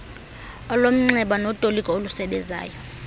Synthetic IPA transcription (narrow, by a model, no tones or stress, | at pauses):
ɔlom̩ŋ͡ǀɛɓanotʼolikʼɔolusɛɓɛza̰ːjɔ